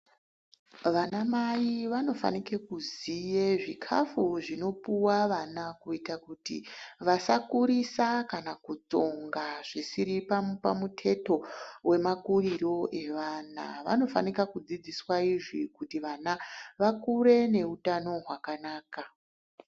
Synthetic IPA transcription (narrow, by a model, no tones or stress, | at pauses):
ʋanamaiʋano̞fa̰nikekuzijeʐikʰa̰fuʐino̞puwaʋanakuitakutḭʋasakuɾisakanakut͡so̞ŋɡaʐ̥isiɾipapamutʰe̞to̞we̞makuriro̞ʔe̞ʋana̰ʋa̰no̞fa̰nikakud͡zid͡ziswaiʐikutiʋanaʋakuɾe̞ne̞utano̞ɦwakanaːka